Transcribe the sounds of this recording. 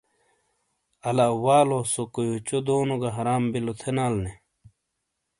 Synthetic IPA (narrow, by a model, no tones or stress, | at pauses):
ɐlaːwaːlosokojot͡ɕod̪oːnuɡɐɦɐɾaːmbilot̪ʰenaːlne